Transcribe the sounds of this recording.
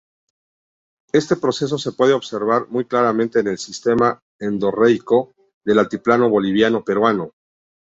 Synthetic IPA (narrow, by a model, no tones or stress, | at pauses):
e̞st̪e̞pɾo̞se̞s̬o̞se̞pwe̞ð̞eo̞βse̞ɾβaɾmujklaɾamẽnt̪e̞ːne̞lsist̪e̞ma | end̪o̞rejko̞ | ðe̞lalt̪iplano̞βo̞liβ̞jano̞pe̞ɾwano̞